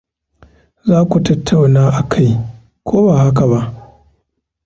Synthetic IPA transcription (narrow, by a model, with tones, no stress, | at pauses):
zaː˦kʷu˨tɐ˦tʰːa˨wnaː˦ʔa˨kʰa˦j | kʷoː˦baː˨ɦa˦ka˨ba˦ʔ